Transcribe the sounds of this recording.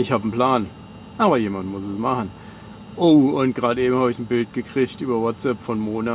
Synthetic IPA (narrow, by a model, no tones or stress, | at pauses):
ɪçhaːbn̩pl̥aːn | ʔaːbɐjeːmantmʊsɛsmaχn̩ | ʔoːʊnt̚ɡ̥ʁaːtʔeːbm̩haːbəɪçn̩bɪlt̚ɡ̥əkʁ̥ɪçtʔyːbɐwɔtt͡sɛpfɔnmoːna